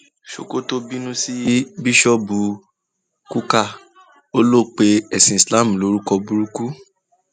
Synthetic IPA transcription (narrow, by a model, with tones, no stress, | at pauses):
ʃo̰˨ko˦to˦bi˦nũ˦si˦bi˦ʃɔ˦bu˧ | ku˦ka˦˨ | o˦lo˦˨k͡pe˧ɛ˨sĩ˨sla˦˨m̩˨lo˨˦ɾu˦kɔ˧bu˧ɾu˦ku˦